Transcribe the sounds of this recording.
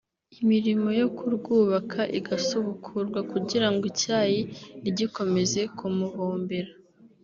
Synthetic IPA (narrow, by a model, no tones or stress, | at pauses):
imiɾimo̞jo̞kuɾɡuːβakʰaʔiɡasoβukʰuɾɡwakuɟiɾaŋɡicaːjiiɟiko̞me̞ze̞kʰumuβoːmbeɾa